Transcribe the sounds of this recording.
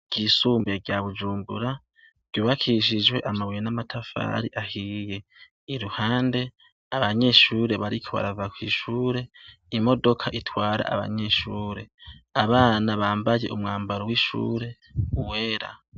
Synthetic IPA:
ɡ̥isuːmbeɡjaβud͡ʒuːmbuɾa | b̥juːβakʰiʃ̬id͡ʒwe̞ʔamawijenamatʰafa̰ɾiʔahije̞ | iɾuhaːnde̞ | aβaɲe̞ʃuːɾe̞βaɾikʰoβa̰ɾavakwḭːʃuːɾe̞ | imo̞do̞kʰaʔitʰwaːɾa̰ʔa̰βa̰ɲeʃuːɾe̞aβaːnaβaːmbaje̞ʔumŋaːmbaɾowiʃṵːɾe̞ | uweɾa̰

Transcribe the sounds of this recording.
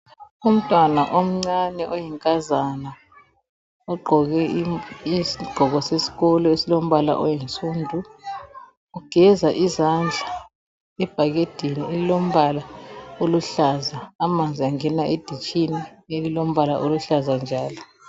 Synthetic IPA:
um̩tʼwanaʔom̩ŋ͡ǀanɛʔojiŋkʼazana | ɔɡ͡ǃʱɔɣɛisiɡ͡ǃ̥ʱɔɣɔsesi̥ɣɔlɔesilom̩βala̰ʔɔjint͡sʼuːndʱu | uɡ̥ʱɛzaʔizand͡ɮʱa | ɛb̥ʱaɣed̥ʱinielilom̩βalaoluɬazaːmand͡zʱiaŋɛnaʔed̥ʱit͡ʃʼinielilom̩βala̰ʔoluɬazand͡ʒʱaːlɔ

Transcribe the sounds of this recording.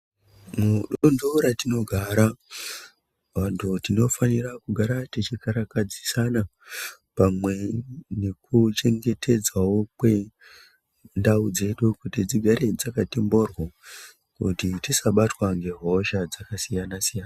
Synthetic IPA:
muɗondoɾatino̞ɡʱaɾa | ʋantʰutino̞fanirakuɡʱaɾatit͡ʃikaɾakad͡zisana | pamwe̞ne̞kut͡ʃe̞ŋɡe̞tʰe̞d͡zawo̞kwe̞ | ndaud͡ze̞ɗukutid͡ziɡʱaɾed͡zakatembo̞rwa | kutitisaɓatwaŋɡe̞ɦo̞ʃad͡zakasijanasijaːna

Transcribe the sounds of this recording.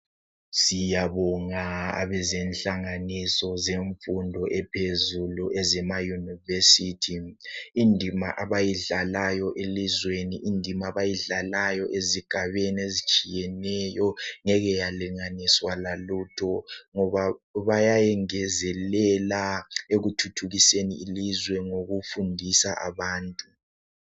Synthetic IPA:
sijaβɔŋaa̰βɛzɛnɬaŋanisɔzeɱfundʱɔʔɛpʰezuluʔɛzɛmajunivesitʰiindʱima̰ʔaβajiɮalajɔʔelizweniʔindʱimaβajiɮalajɔʔeziɡ̥ʱaβeniezit͡ʃʼijɛnɛjɔŋɛɣɛjaliŋaniswalalutʰɔŋɔβaβajajɛŋɛzɛlɛlaeɣutʰutʰuɣiseniːlizwɛŋoɣufundʱisaʔa̰βaːntʼu

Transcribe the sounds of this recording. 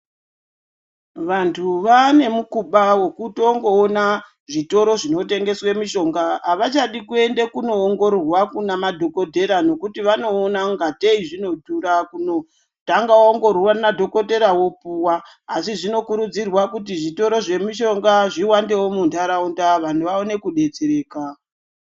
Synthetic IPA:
ʋantʰuʋane̞mukuɓawokutoŋɡo̞ːna | ʐito̞ɾo̞ʐino̞te̞ŋɡe̞swemiʃo̞ŋɡaːʋat͡ʃaɗikue̞ndekuno̞ːŋɡo̞ɾorwakunamadʱo̞ko̞te̞ɾano̞kutiʋano̞ːnaŋɡateiʐino̞tuɾakuno̞ | taŋɡaoŋɡo̞rwanadʱo̞ko̞te̞ɾawo̞puwaː | siʐino̞kuɾud͡zirwakutiʐito̞ɾo̞ʐe̞miʃo̞ŋɡaʐiwande̞wo̞mundaɾaundaʋan̤uʋaone̞kuɗe̞d͡zeɾe̞ːka

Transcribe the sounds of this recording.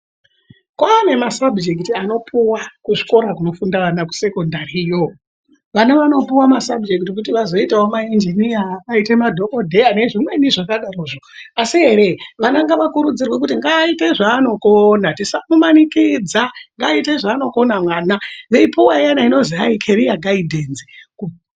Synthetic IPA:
kaame̞masabd͡ʒek̬itiano̞pʰuwakuʐi̥ko̞ɾakuno̞fundaʋanaku̥se̞ko̞ndarijo | ʋanaʋano̞puwamasabd͡ʒek̬itik̬utiʋazo̞itaomaind͡ʒinijaːitemadʱo̞kodʱe̞ane̞ʐimweniʐakaɗaroːʐoasiɦe̞ɾe̞ʋanaŋɡaʋakuɾud͡zirwe̞k̬utiŋɡaite̞ʐaːno̞konatisamumanikid͡zaŋɡaite̞ʐaːno̞ko̞namwaːnaʋeipuwajanaino̞ziaikʰeɾijaɡʱaidʱenzi̥ku

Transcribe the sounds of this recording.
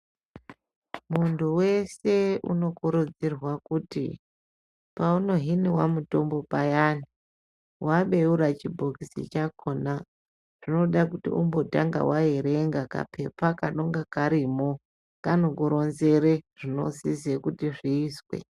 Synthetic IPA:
muntʰuwe̞se̞ṵno̞kuɾud͡zirwakutḭ | pauno̞ɦiniwamuto̞mbo̞pajani | wʔaɓe̞uɾat͡ʃibʱokisḭt͡ʃakona | ʐ̥ino̞ɗakutḭumbo̞ta̰ŋɡa̰waeɾeŋɡaka̰pʰe̞pakaɗo̞ŋɡakaɾimo | kanokuɾo̞nze̞reʐ̥ino̞̰sizekutiʐiːswḛ

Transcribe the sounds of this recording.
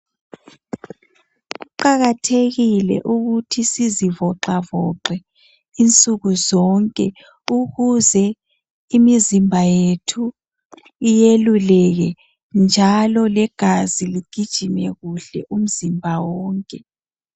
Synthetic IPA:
uǃaɣatʰeɣilɛ̰ʔuɣutʰisizivɔǁavɔǃɛ | int͡sʼuɣuzɔŋkʼɛ | uɣuzɛ | imizimbʱajetʰu | ijelulɛɣɛ | nd͡ʒʱalɔlɛɡ̥ʱaziliɡ̥ʱid̥ʒ̥ʱimɛɣuɬɛ̰ʔum̩zimbʱawɔːŋkʼɛ

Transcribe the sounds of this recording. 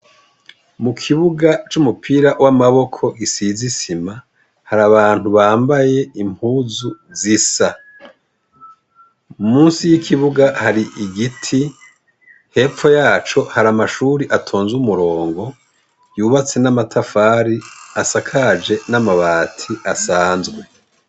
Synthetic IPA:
mukʰiβuɡat͡ʃumupʰiːɾawʔamaβo̞kʰo̞ɡisizisima | haɾaβaːn̥huβaːmbaje̞imhuːzuzisa | umuːnsijikʰiβuɡahaɾiʔiɡitʰi | he̞ːp͡fo̞jaːt͡ʃo̞haɾamaʃuːɾiʔatʰo̞ːnzumuɾo̞ːŋɡo̞ | juːβat͡se̞namatʰafaːɾiasakʰad͡ʒe̞namaβaːtʰiʔasaːnzɡwe̞

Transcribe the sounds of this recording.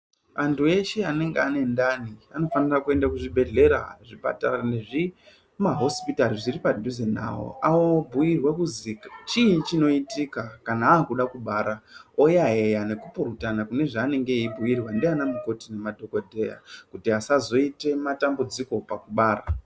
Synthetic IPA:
antʰue̞ʃe̞ane̞ŋɡeane̞ndaniano̞fanirakue̞ndakuʐibʱe̞ɮe̞ɾa̰ʐipa̰taɾaneʐi | maɦo̞spitariʐiripadʱuzena̰wo̰ʔawobʱujirwekuzikat͡ʃiit͡ʃino̞itikakanaːkuɗakuɓaːɾaojaɦe̞jane̞kupuɾutanakune̞ʐaːne̞ŋɡe̞ibʱujirwandeanamuko̞tine̞madʱo̞kodʱe̞ja̰kutiasazo̞ite̞matambud͡ziko̞pakuɓaːra̰

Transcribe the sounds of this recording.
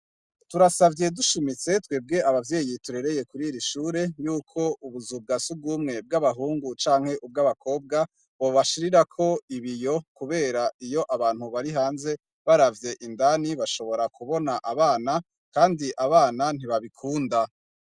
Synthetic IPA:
tuɾasavje̞duʃimit͡se̞tweːb̚ɡe̞aβavje̞ːjituɾe̞ɾe̞je̞kuɾiɾiʃuːɾe̞juːkʰo̞ʔuβuzub̚ɡasub̚ɡumŋe̞b̚ɡaβaɦuːŋɡut͡ʃaːŋhe̞ʔub̚ɡaβakʰo̞ːb̚ɡa | bo̞βaʃiɾiɾakʰo̞iβijo̞kuβe̞ːɾaijo̞ʔaβaːn̥huβaɾiɦaːnze̞ | βaɾavje̞ʔindaniβaʃo̞βo̞ɾakuβo̞naʔaβaːna | kaːndiʔaβaːnan̥iβaβikʰuːnda

